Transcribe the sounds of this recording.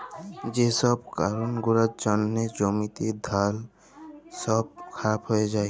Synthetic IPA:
d͡ʒesɔb̚kaɾunɡuɾad͡ʒɔnːed͡ʒomit̪ed̪ʱal | sɔb̚kʰaɾabɦɔed͡ʒae

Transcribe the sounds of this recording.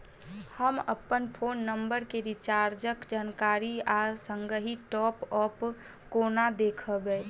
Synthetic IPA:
həmə̰pənpʰoːnːəmbəɾkeɾit͡ʃaːɾd͡ʒəkd͡ʒaːnkaɾiasəŋɡəɦiʈɔːpɔp | konad̪eːkʰəbɛ

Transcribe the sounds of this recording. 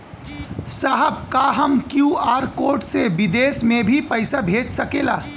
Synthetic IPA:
saɦəb̚kaɦəmkjuaːɾkoːʈseʋɪd̪eːsmẽbʱipɐɪsabʱeːd͡ʒsɐkeːlaː

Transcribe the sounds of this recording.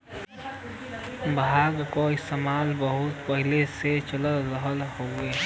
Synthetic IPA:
bʱaːɡkoɪst̪emaːlbəɦʊt̪pəɦɪleset͡ʃələzəɦəlɦoːɡeː

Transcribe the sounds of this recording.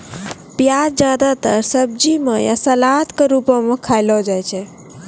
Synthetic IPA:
pjad͡ʒad̪at̪əɾsəb̚d͡ʒimḛja̰səlat̪keɾupɔmekʰajlɔd͡ʒajt͡ʃʰɛ

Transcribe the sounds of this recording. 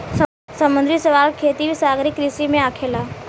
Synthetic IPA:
s | səmə̃nd̪ɾisəʋaːlkʰeːt̪iʋisaːɡɾɪkɾisimẽaːkʰelaː

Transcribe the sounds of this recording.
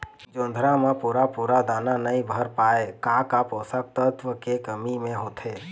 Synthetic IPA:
d͡ʒõnd̪ʱɾamepuɾapuɾad̪ananəĩbʱəɾpaekakaposəkt̪ət̪ʋəkekəmimẽɦot̪ʰe

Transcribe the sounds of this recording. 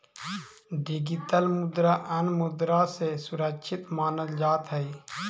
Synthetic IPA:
ɖɪɡɪʈ̪əlmʊd̪ɾaʔənmʊd̪ɾasesʊɾəkʃʰɪt̪maːnəd̪d͡ʒaːt̪ɦəi

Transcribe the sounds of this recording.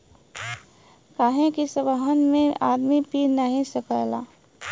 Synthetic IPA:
kaːɦẽkisəbəɦənmẽaːd̪mipinəɦĩsəkajlaː

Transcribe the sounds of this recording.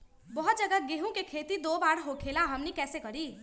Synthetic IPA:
bəɦut̪̚d͡ʒəɡaɡeɦũkekʰet̪id̪obaɽɦokʰelaɦəmnikɛsekəɾi

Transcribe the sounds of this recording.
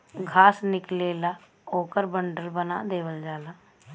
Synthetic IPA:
ɡʱaːsnɪkleːla | oːkəɾbəɳɖəlbəna̰ːd̪eːʋəld͡ʒaːlaː

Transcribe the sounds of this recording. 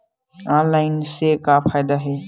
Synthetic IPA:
ãːnlaːɪnsekapʰaːjd̪aɦeː

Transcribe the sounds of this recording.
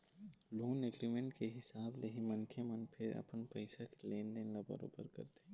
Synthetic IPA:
loːneɡɾimẽɳʈkeɦɪsaːbleɦimɐnkʰemənpʰɪɾɐ̰pənpəɪsakeleːnd̪ẽnlabə̰ɾo̰ːbə̰ɾkɐ̰ɾt̪e

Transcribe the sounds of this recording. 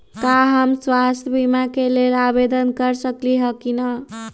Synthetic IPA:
kaɦəmswast̪ʰjbimakelelabed̪ənkəɾsəkliɦəkinə

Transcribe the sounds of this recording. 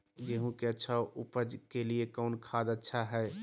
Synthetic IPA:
ɡeɦũkeətːʃʰaʔupəd͡ʒkeliekəʊnkʰad̪ətːʃʰaɦɛɪ

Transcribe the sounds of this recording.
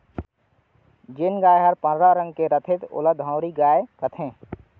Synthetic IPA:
d͡ʒenɡaːeɦəɾpə̃nɾaɾə̃ŋɡkeɾət̪ʰɪt̪ʊ̰ləd̪ʱãʊɾiɡaːekət̪ʰẽː

